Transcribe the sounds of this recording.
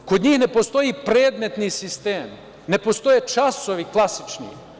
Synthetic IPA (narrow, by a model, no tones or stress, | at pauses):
kod̪ɲiːxne̞post̪o̞jipɾeːd̪me̞t̪nisist̪eːm | ne̞post̪o̞jet͡ʃasoʋiklˠasit͡ʃnḭ